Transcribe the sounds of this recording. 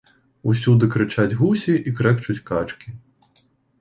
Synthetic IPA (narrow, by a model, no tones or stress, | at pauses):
usʲud̪ɨkɾɨt͡ʂad͡zʲɣusʲiʔikɾɛkt͡ʃut͡sʲkat͡ʂkʲi